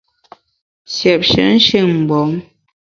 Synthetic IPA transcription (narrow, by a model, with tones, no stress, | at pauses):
sjɛ˨p̚ʃə̰˨˦n̩˦ʃe˦˨ŋm̩˨bɔ˨˦ŋ